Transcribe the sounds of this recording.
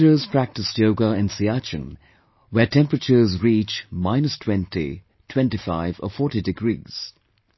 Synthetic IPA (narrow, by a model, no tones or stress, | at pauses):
əz̥pʰɹæk̚tɨstjoʊɡəɪ̃nsiat͡ʃɨ̰̃n | wɛtʰɛ̃mpɹət͡ʃə˞zɹiːt͡ʃmaɪnəstʰw̥ɛ̃ntḭ | tʰw̥ɛ̃ntifaɪvə̰fɔːɹtidɪɡɹḭːz̥